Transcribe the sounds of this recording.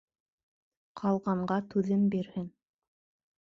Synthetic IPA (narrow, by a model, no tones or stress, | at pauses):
qʰɑlˠʁɑɴɢɑt̪ʉðɘmbiɾhɘn